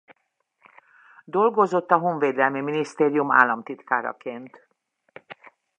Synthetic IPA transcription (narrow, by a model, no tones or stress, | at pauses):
d̪o̞lɡo̞zo̞t̪ːɒɦoːɱveːd̪ɛlmiminist̪eːɾijuma̰ːlːɒmt̪it̪kaːɾɒ̰keːnt̪